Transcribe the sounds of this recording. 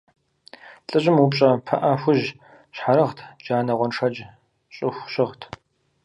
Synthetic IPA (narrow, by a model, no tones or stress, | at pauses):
ɬʼɨʑɪmupɕʼɐpʰɐʔɐxʷʊʑ | ɕħaɾɐʁtʰd͡ʒaːnɐʁʷɔnʂɐd͡ʒ | ɕʼɪxʷɕɪʁtʰ